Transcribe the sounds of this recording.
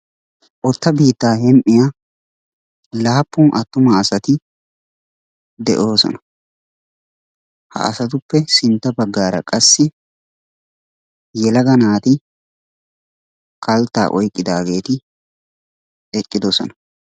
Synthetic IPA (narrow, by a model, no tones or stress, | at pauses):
ʔɔt̪ːɐbiːt̪ːaːɦɛmʔɪja | laːpːʊnʔɐt̪ːʊmɐːsɐt̪ɪ | d̪ɛʔo̞ːsɔ̰nɐ̥ | hɐ̰ɐ̰sɐt̪ʊpːɛsɪnt̪ːɐbɐɡːaːɾɐ̰kʼɐsːɪ | jɛlɐɡɐnaːt̪ɪ | kɐlt̪ːa̰ːʔɔjkʼːɪd̪aːɡe̞ːt̪ɪ | ɛkʼːɪd̪ɔsɔ̰nɐ